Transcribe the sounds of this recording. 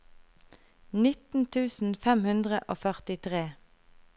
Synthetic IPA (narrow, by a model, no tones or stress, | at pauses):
nɪt̪n̩t̪ʰʉːsn̩fɛmhʉnd̪ʁəʔoːfœʁt̪ɪt̪ʰʁeː